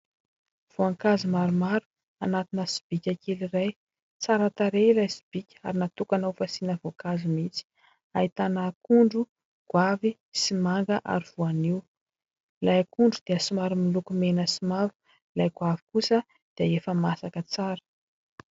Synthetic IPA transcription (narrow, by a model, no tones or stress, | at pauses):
v̥oaŋkazimaɾumaɾu̥ | anat̪inəsi̥b̥ikʲakeliraj | t͡saɾat̪aɾelajsi̥b̥ikʲa̰ɾinat̪ukanafasinəvokazimit͡si̥ | ait̪anakuɳɖ͡ʐu | ɡ̥wavi | simaŋɡəʔa̰ɾiv̥uaniw | lajakuɳɖ͡ʐud̪̥eəsimaɾumilukumenəsimavu̥ | lajɡwavi̥kusə | d̪̥iəefəmasakət͡saɾə̥